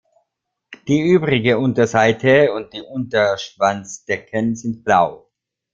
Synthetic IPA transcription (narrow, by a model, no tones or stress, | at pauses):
d̥iːʔyːbʁɪɡəʊntɐzaɪtʰəʊnt̚d̥iːʔʊntɐʃv̥ant͡sd̥ɛkʰənzɪnt̚b̥laʊ